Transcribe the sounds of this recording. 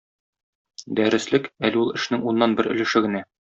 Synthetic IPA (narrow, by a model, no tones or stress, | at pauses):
d̪æɾɘ̆slɘkælɘulˠɘ̆ʃnɘŋunːɑnbɘɾɵ̆lɘ̆ʃɘɡɘ̆næ